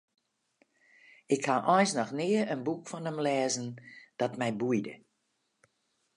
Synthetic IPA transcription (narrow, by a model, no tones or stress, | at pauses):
ɪkhaʔɔjnsnɔxnɪəənbukfɔnəmlɛːzən̩d̥ɔtmɛjbujdə